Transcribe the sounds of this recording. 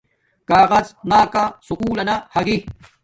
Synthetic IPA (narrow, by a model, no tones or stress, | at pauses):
kaːɣɐznaːkasukuːlɐnahɐɡi